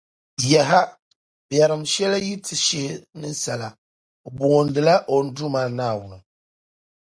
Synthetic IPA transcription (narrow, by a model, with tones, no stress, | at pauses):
jɛ˨ɦa˦ | bjɛ˨ɾɨ˨mʃɛ˦la˦ji˦tʰɨ˨ʃe˦nɨ˦sa˨la˨ | bʊ˨ŋo˨n˦dɨ˨la˦ʔo˨n̩˦du˦maː˨naː˦˨wʊ˨nɨ˨